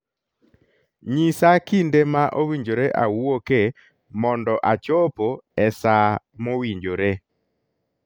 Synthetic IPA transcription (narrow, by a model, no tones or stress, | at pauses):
ɲisakindemaʔowiɲd͡ʒoɾeʔawwoke | mɔndɔʔat͡ʃopoɛsa | mowiɲd͡ʒoɾe